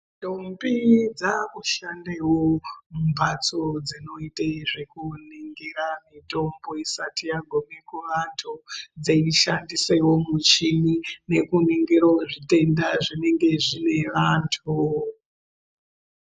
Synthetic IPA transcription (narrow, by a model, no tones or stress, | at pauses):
dombid͡zakuʃandewomumbʱat͡so̞d͡zino̞iteʐekuniŋɡiɾamito̞mbo̞isatijaɡʱo̞me̞kuʋantʰud͡zeiʃandisewo̞mut͡ʃinine̞kuniŋɡiɾoʐite̞ndaʐine̞ŋɡe̞ʐine̞ʋantʰu